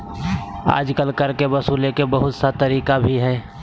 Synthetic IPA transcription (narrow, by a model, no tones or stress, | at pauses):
a̰ːd͡ʒkəlkəɾkebəsuːlekebəɦʊt̪sat̪əɾiːkabʱiɦɛː